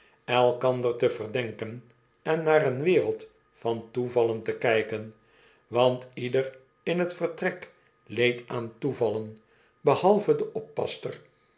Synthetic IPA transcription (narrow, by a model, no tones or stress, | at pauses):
ɛlˠkɑnd̪ərtəvərdɛŋkən | ɛnːaːrənʋɪːʁəlˠt | fɑntuvɑləntəkɛjkən | ʋɑntidər | ɪnɦətfərtrɛk | lejtaːntuvɑlən | bəhɑlˠvədəʔɔpːɑ̰stər